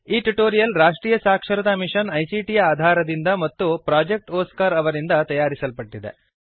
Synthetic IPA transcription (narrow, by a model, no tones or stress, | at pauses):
iːʈuʈoːɾijɐlɾaːʂʈɾiːjɐsaːkʂɐɾɐt̪ɐmiʂɐnɐjsiːʈijaːd̪ʱaːɾɐd̪ind̪ɐmɐt̪ːupɾaːd͡ʒek̚ʈɔːskaːɾɐʋɐɾind̪ɐt̪ɐjaːɾisɐlpɐʈːid̪ḛ